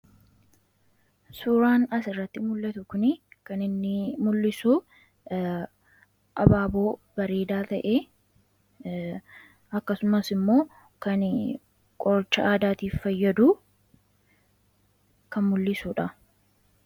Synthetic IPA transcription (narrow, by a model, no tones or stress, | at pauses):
suːɾaːnɐsɪrːɐt̪ːɪmʊlːɐt̪ʊkʊnɪkɐnɪnːɪmʊlːɪsu | ʔɐbaːbo̞ːbɐɾe̞ːd̪aːt̪ɐʔe | ɐkːɐsʊmɐsɪmːo̞ː | kɐn | kʼɔɾt͡ʃːɐaːd̪aːt̪iːffɐjːɐd̪uː | kɐnmʊlːɪsuːᶑɐ